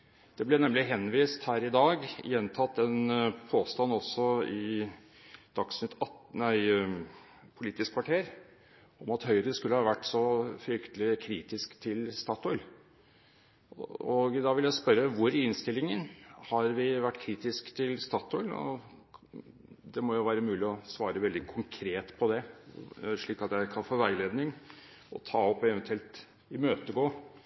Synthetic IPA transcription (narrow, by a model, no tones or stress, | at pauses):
d̪̥ɛblɛnɛmlɪɦɛnːʋiːst̪hæːɾɪd̪ɑːɡjɛnt̪ʰɑt̪ːɛnpʰoːst̪ɑnːɔsɔɪ | d̪̥ɑksnɪt̪ɑt̪æɪ | pʰʊliːt̪ɪskʰʋɑʈʰeːɾ | ɔmɑt̪hœʏɾəskʉlːəhɑːʋæʈːsɔfɾʏkt̪əlɪkʰɾiːt̪ɪskt̪ʰɪlst̪ɑːt̪ɔʏl | ɔɡd̪ɑʋɪljæɪspœɾəʋʊɾɪnst̪ɪlːɪŋənhɑɾʋɪʋæʈːkʰɾiːt̪ɪskt̪ʰɪlst̪ɑːt̪ɔʏlɔ̰ | d̪ɛmɔjʊʋæːɾəmʉːlɪɔsʋɑːɾəʋɛld̪ɪkʰʊŋkʰɾeːt̪pʰɔd̪ɛ | ʂɭiːkɑt̪jæɪkʰɑnfoːʋæɪleːd̪nɪŋ | ɔ̰t̪ʰɑːɔpːɛʋɛnt̪ʰʉɛlt̪ | ɪmøːt̪əɡoː